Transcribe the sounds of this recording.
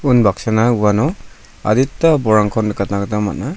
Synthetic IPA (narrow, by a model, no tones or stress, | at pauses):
unbaksanauwanɔ | a̰ditːabɔɾaŋkʰɔndkat̚naɡtama̰t̚na